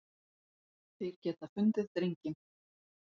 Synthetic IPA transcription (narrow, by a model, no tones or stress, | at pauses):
θɪɾ̥cɛːt̪afʏnt̪ɪðt̪ɾejɲcɪ